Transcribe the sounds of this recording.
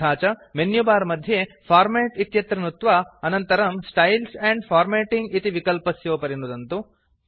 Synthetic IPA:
aːt͡ʃɐmenjubaːɾɐmɐd̪ʱjepʰaːɾmeːʈit̪jɐt̪ɾɐnut̪ʋaɐnɐnt̪ɐɾɐmsʈɐjlsɛɳɖfʰaːɾmeːʈiŋɡit̪iʋikɐlpɐsjoːpɐɾinud̪ɐnt̪u

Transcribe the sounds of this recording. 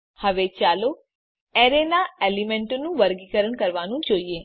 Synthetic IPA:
həʋet͡ʃalo | ɛɾenaelimeɳʈonũʋəɾɡikəɾəɳkəɾʋanũd͡ʒoie

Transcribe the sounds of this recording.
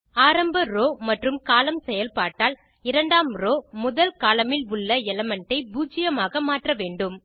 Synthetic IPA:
aːɾɐmbɐɾoːmɐʈrɯmkaːlɐmsɛjɐlpaːʈːaːl | ɪɾɐɳɖaːmɾoːmʊðɐlkaːlɐmɪlʊɭːɐɛlɐmɛɳʈɐɪbuːd͡ʒɪjɐmaːɣɐmaːʈrɐʋeːɳɖɯm

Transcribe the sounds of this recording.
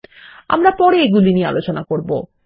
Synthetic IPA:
a̰mɾapɔɾeeɡuliniea̰lot͡ɕonakoɾbo̰

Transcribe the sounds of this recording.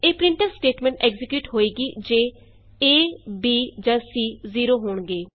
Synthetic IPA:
eːpɾɪ̃ɳʈəɾsʈeːʈmɛ̃ɳʈɛːɡzɪkjuːʈɦoːiːɡiːd͡ʒeː | eːbiːd͡ʒãːsiːziːɾoːɦoːɳɡeː

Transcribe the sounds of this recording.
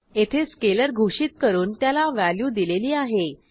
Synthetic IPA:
et̪ʰeskeləɾɡʱuʂiːt̪̚kəɾuːnt̪jalaʋæljuːd̪ileliːaɦe

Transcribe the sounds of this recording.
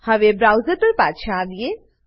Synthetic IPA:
hɐʋebɾaːʊzəɾpɐɾpaːt̪ʃãːd̪ie

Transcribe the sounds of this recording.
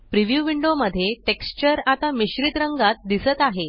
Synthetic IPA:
pɾiʋjuʋiɳɖoməd̪ʱːjeʈekst͡ɕəɾat̪amiɕɾit̪ɾəŋɡat̪̚d̪isət̪aɦe

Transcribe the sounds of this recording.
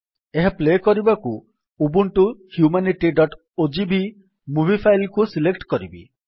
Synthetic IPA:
eɦeplekɔɾibaku | ubuɳʈuhjumaniʈiɖɔʈ | od͡ʒibi | mubʱipʰajlkusilekʈkɔɾibḭ

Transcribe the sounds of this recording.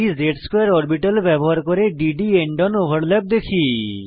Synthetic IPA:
izeʈskojaɾɔɾbiʈalbɛboɦaɾkoɾeɖiɖieɳɖɔnobʱaɽlɛb̚d̪ekʰi

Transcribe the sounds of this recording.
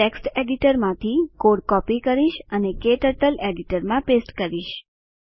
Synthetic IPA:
eksʈeɖiʈəɾmãt̪ʰikoɽkɔpikəɾiʃənekeʈəʈəleɖiʈəɾmãpesʈkəɾiʃ

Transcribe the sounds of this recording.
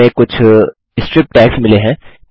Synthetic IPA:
ẽkʊt͡ʃʰ | ɪsʈɾɪp̚ʈɛːksmɪleɦɛ̃ː

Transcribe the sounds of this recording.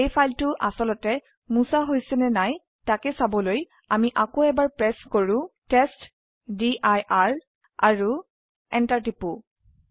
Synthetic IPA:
ejpʰajltʊʔasɔlɔtɛ | musaɦojsɛnɛnaj | takɛsabɔloj | amiʔakoɛbaɹpɹɛskoɹʊ̃tɛst | diʔajʔaɹ | aɹu | ɛntaɹtipu

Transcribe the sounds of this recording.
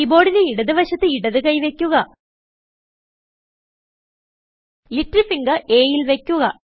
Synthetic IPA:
ibo̞ːɽineiɽɐðɨʋɐɕɐt̪ːɨiɽɐðɨkɐjʋe̞kʲːuɣɐ | liʈrifiŋɡɐʔeːjilʋe̞kʲːuɣɐ

